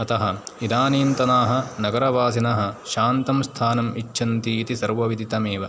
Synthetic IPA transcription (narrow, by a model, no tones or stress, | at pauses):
ɐt̪ɐɦɐid̪aːniːnt̪ɐnaːɦɐ̆nɐɡɐɾɐʋaːsinɐɦɐ̆ʃaːnt̪ɐmst̪ʰaːnɐmit͡ʃːʃɐnt̪iːt̪isɐɾʋɐʋid̪ʱit̪ɐmeːʋɐ